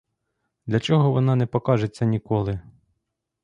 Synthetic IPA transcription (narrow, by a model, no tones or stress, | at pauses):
d̪lʲɐt͡ʃɔɦɔʋɔnɑnɛpɔkɑʒet͡sʲːɐnʲikɔlˠɪ